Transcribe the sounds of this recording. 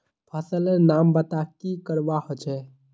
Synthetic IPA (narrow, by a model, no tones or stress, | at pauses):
pʰəsəlenambət̪akikəɾbahot͡ʃʰɛ